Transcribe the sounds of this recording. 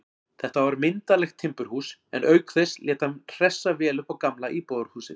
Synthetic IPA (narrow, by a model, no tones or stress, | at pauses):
θɛht̪avaɾmɪnt̪alɛxt̪ʰːɪmpʏɾ̥huːsɛ̰nœːɥkθɛslʔjɛːt̪hamr̥ɛsːavɛːlʏpawkamlaʔipoːɾhuːsɪ̰